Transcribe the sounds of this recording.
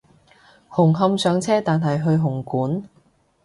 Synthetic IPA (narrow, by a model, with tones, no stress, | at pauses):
hʊ˨˩ŋɦɐ˧msœː˨˧ŋt͡sʰɛː˥t̪aː˨nɦɐ˨jɦɵ˧ɥɦʊ˨˩ŋkuː˨˥n